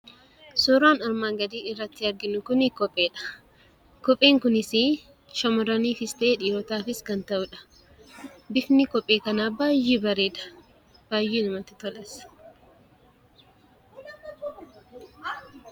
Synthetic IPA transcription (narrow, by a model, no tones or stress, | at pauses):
sɔɾaːnɐɾmaːŋɡɐd̪iːɪrːɐt̪ːɪɐɾɡɪnʊkʊnɪkɔpʼːe̞ːᶑɐ̥ | kɔpʼeːŋkʊnɪsi | ʃɐmɔɾɐniːfɪst̪ɐeːᶑiːɾɔt̪aːfɪskɐnt̪ɐʔʊᶑɐ̥ | bɪfnɪkɔpʼːeːkɐnaːbaːjːiːbɐɾeːᶑɐ̥ | b̥aːjːiːnʊmɐt̪ɪt̪ɔlɐs